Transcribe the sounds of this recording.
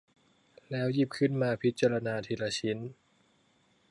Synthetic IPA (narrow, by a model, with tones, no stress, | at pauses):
lɛː˦˥wjiː˥˩p̚kʰɯ˥˩nmaː˧pʰi˦˥t̪̚t͡ɕːaː˧ɾa˧naː˧t̪ʰiː˧ɾa˧t͡ɕʰi˦˥n